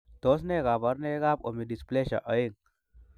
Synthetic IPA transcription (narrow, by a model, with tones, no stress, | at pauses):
t̪o˦s̬ne˦ɣa˨ba˦ɾne˦ɣa˦po̰˨mi˨di˨sple˦ʃa̰˨ʔə˨˦ji˦ŋ